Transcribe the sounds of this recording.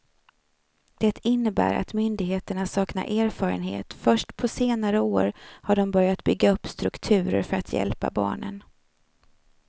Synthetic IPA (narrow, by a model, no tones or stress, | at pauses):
d̪̥ɛt̪ʰɪnːəbæ̰ːɾa̰t̪mʏnd̪ɪɡɦeːt̪əɳasɑːkna̰ʔeːɾfɑːɾə̰nɦḛːt̪fœʂʈpʰɔseːnaɾəoːɾhaɖɔmbœɾjat̪bʏɡːaɵpːst̪ɾɵkt̪ʰʉ̟ːɾə̰ɾfœɾat̪ʰjɛ̰lpa̰bɑ̰ːɳə̰n